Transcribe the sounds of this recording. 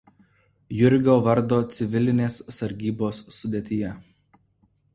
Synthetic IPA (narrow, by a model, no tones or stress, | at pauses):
jʊɾʲɡʲoːʋɐɾd̪oːt̪sʲɪʋʲɪlʲɪnʲeːsːɐɾʲɡʲiːboːsːʊd̪ʲeːt̪ʲɪjɛ